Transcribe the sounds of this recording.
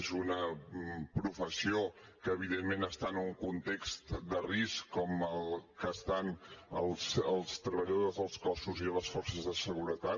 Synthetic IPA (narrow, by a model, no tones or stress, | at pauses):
zunəpɾufəsiokəːβiðemːenəst̪anəuŋkunt̪ekst̪d̪əriskkːɔməlˠkəst̪anəlˠsəlˠst̪ɾəβəʎəðozðəlˠskɔsuziðələsfɔrsəzðəsəɣuɾət̪a